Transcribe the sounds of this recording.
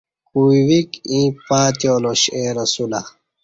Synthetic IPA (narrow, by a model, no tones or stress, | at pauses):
kuwikĩːpaːt̪ijoːloɕeɾɐsula